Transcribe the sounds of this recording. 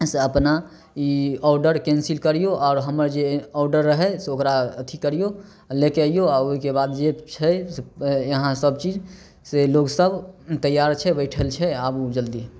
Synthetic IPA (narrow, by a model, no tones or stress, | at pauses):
seəpna | iɔɾɖəɾkɛ̃nsilkəɾijoʔɔːɾɦəməɾd͡ʒeɔɾɖəɾːəɦɛseokɾaət̪ʰikəɾijo | lekeaijoɔɾoɦikebad̪d͡ʒet͡ʃʰɛ | jəɦãsəbt͡ʃid͡ʒ | seloɡsəbt̪əjaɾt͡ʃʰɛbəɪʈʰəlt͡ʃʰɛabud͡ʒəld̪i